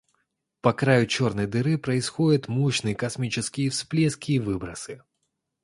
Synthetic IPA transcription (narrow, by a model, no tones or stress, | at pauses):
pɐkɾajʊt͡ʃɔrnɐjd̪ɨɾɨpɾɐisxɔdʲɐt̪muɕnɨjkɐsmʲit͡ʃɪskʲiifsplʲɛskʲiːvɨbɾɐsɨ